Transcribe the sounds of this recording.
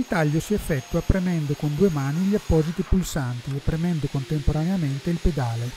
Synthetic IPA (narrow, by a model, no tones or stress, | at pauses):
it̪aʎːosiɛfːɛt̪ːuapɾemɛnd̪okond̪uːemaːniʎiapːɔːzit̪ipulsant̪iepːɾemɛnd̪okont̪empoɾaneament̪eilped̪aːle